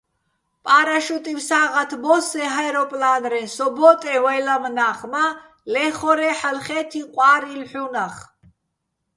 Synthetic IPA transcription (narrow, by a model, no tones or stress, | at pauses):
pʼaːɾaʃut̪ʼimsaːʁat̪ʰbɔsɛɦajɾɔpʼlaːnɾɛnsɔbɔt̪ʼɛwajlamnaːχma | lɛχɔɾɛħalχɛːt̪ʰiqʷʼwaːɾilħunaχ